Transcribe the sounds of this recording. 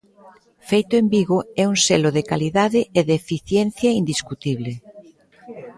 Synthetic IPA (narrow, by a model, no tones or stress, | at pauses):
fejt̪ʊembiɣoɛuŋseloðekaliðaðɪʔeðefiθjɛn̟θjaind̪iskut̪iβle